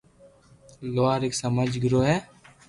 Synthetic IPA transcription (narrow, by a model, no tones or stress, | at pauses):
loaːɾeːksəməd͡ʒɡɪɾoːɦɛː